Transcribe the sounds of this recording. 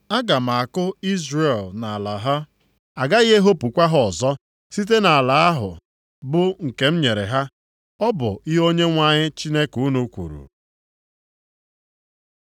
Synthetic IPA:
a˦ɡa˨m˨a˨kʊ˦i˦zɾe˨lna˨a˨la˨ɦa˦ | a˨ɡa˦jɦe˦ɦo˦pu˨kʷa˦ɦɔ˦ɔ˨zɔ˦ | si˦t̬e˦na˨a˨la˨a˦ɦʊ̰˨ | bʊ˦ŋ̩˨ke˨m̩˦ɲe˨ɾḛ˨ɦa˦ | ɔ˦bʊ̰˨i˦ɦo˦ɲe˦ŋʷa˦ɲɪ˦t͡ʃi˦ne˦ku˨˦nu˦kʷṵ˨ɾṵ˨

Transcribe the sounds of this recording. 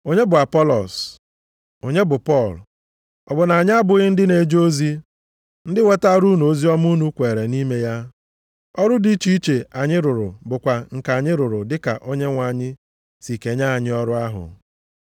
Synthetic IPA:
o˦ɲe˦bʊ˨a˨pɔ˦lɔ˨s | o˨ɲe˦bʊ˨pɔ˦˨l | ɔ˨bʊ˨na˨a˨ɲ˦a˦bʊ˨ɣɪ˦n̩˦dɪ˦ne˨˦d͡ʒo˦zi˦ | n̩˦dɪ˦we˦ta˦ɾu˦nu˨o˦zi˦ɔ˦m˦u˦nu˦kʷe˨ɾe˨ni˦me˦ja˦ | ɔ˦ɾʊ˦di˦t͡ʃi˦i˦t͡ʃe˨ʔa˨ɲɪ˦ɾʊ˨ɾʊ˨bʊ˨kʷa˨ŋ̩˨ka˨a˨ɲɪ˦ɾʊ˨ɾʊ˨dɪ˦ka̰˨ʔo˦ɲe˦ŋʷa˨ɲɪ˦ | si˨ke˨ɲa˦a˨ɲɪ˦ɔ˦ɾʊ˦a˦ɦʊ̰˨

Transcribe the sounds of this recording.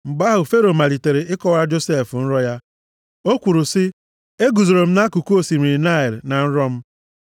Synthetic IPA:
m̩˨ɡ͡ba˦ɦʊ˨fe˦ɾo˨ma˨li˨te˨ɾe˨ɪ˦kɔ˦ɣa˦d͡ʒo˦se˦˨fn̩˦ɾɔ˦ja˦ | o˦kʷu˨ɾu˨sɪ˦ | e˦ɡu˨zo˨ɾo˨m̩˦na˦ku˨ku˦o˦˨si˨m˨ɾi˨na˦˨ɪ˨ɾna˨n̩˦ɾɔ˦m̩˦

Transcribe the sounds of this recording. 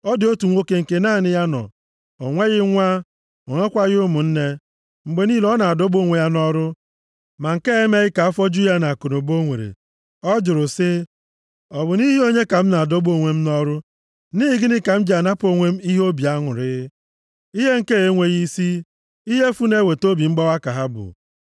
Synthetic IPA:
ɔ˦dɪ˨o˦tu˨ŋʷo˦ke˨ŋ̩˨ke˨naː˦˨nɪ˨ja˦nɔ̰˨ | o˨ŋʷe˦ɣɪ˦ŋʷa˦ | o˨ŋʷe˦kʷa˦ɣɪ˦ʊ˦mʊ˨n̩˦ne˦ | ŋ͡m̩˨ɡ͡be˨ni˦lɔ˦na˨a˨do˦bo˦˨ŋʷe˨ja˦nɔ˦ɾʊ˦ | ma˨ŋ̩˨ke˦e˦me˦ɣɪ˦ka˨a˦fɔ˦d͡ʒu˦ja˦na˨ko˨no˨bo˦ŋʷḛ˨ɾḛ˨ | ɔ˦d͡ʒʊ˨ɾʊ˨sɪ˦ | ɔ˨bʊ˨ni˦ɦi˦o˦ɲe˦ka˨m̩˦na˨a˨do˦bo˦˨ŋʷe˦m̩˦nɔ˦ɾʊ˦ | ni˦ɪ˨ɡɪ˦nɪ˦ka˨m̩˦d͡ʒa˨na˦po˦ŋʷe˦m̩˦i˦ɦo˦bi˨a˦ŋʊ˨ɾɪ˦ | i˦ɦe˦ŋ̩˨ke˦e˦ŋʷe˨ɣi˦si˦ | i˦ɦe˦fu˦ne˦we˨to˦bi˨ŋ͡m̩˦ɡ͡bɔ˦wa˦ka˨ɦa˦bʊ̰˨

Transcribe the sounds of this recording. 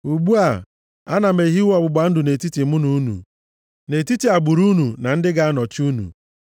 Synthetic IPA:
u˨ɡ͡bu˦a˨ | a˦na˨me˨ɦi˦wɔ˨bʊ˨ɡ͡ba˨n̩˦dʊ˨ne˨ti˦ti˨mʊ˦nu˨˦nṵ˨ | ne˨ti˦ti˨a˨ɡ͡bu˨ɾu˦nu˨na˨n̩˦dɪ˦ɡa˦a˦nɔ˨t͡ʃu˦nṵ˨

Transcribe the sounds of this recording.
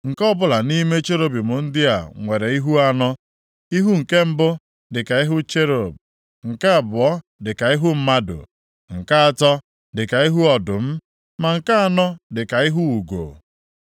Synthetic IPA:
ŋ̩˨kɔ˦bʊ˦la˨ni˦me˦t͡ʃe˦ɾo˦bi˨mʊ˨n̩˦dɪ˦a̰˨ŋʷe˨ɾe˨i˦ɦu˦a˦nɔ˦ | i˦ɦu˦ŋ̩˨ke˦m̩˦bʊ˦ | dɪ˨ka˨i˦ɦʊ˦t͡ʃe˦ɾo˨b̚ | ŋ̩˨ka˦a˨bʊ˨˦ɔ˦ | dɪ˨ka˨i˦ɦʊ˦m̩˦ma˦dʊ̰˨ | ŋ̩˨ka˦a˦tɔ˦ | dɪ˨ka˨i˦ɦu˦ɔ˨dʊ˨m̩˦ | ma˨ŋ̩˨ka˦a˦nɔ˦dɪ˨ka˨i˦ɦu˦u˨ɡo̰˨

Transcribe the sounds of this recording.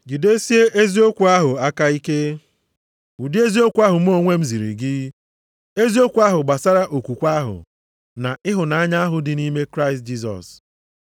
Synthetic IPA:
d͡ʒi˨de˦si˦e˦ʔe˦zi˦o˦kʷu˨a˦ɦʊ˨a˦ka˦i˦ke˦ | u˨di˦e˦zi˦o˦kʷa˦ɦʊ˨m̩˦o˦ŋʷe˦m̩˦zi˨ɾḭ˨ɡɪ˦ | e˦zi˦o˦kʷu˨a˦ɦʊ˨ɡ͡ba˨sa˦ɾa˦ʔo˨kʷu˨kʷa˦ɦʊ̰˨ | na˨ʔɪ˦ɦʊ˨na˨a˦ɲa˦a˦ɦʊ˨dɪ˨ni˦me˦kɾa˦ɪ˨st̚d͡ʒi˦s̬ɔ̰˨s

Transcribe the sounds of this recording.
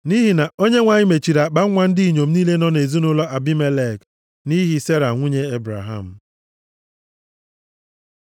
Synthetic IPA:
ni˦ɦi˨na˨o˦ɲe˦ŋʷa˨ɲɪ˦me˨t͡ʃi˨ɾa˨k͡pa˦ŋʷa˦n̩˦di˦i˨ɲo˨m̩˦niː˦le˦nɔ˦ne˨zu˦nʊ˦lɔ˦ʔa˨bi˦me˦le˦˨k | ni˦ɦi˨˦se˦ɾa˨ŋʷu˦ɲe˦e˦bɾa̰˨ɦa̰˦˨m̩˨

